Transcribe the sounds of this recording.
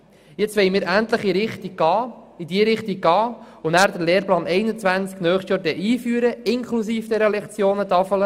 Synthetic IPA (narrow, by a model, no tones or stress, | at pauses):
jɛt͡sʋɛɪmiːɾʔænt̪ləχiɾɪχt̪iɡ̚ɡɑːid̪iəɾɪχt̪iɡ̚ɡɑː | ʊnæːɾd̥̪əɾleːɾplɑːnɛɪnət͡sʋænt͡sknœːχsʃtjɑːɾdɛʔiːfyəɾəɪŋkʰlus̬iːfd̥ɛɾəlɛkt͡sjoːnət̪ɑfələ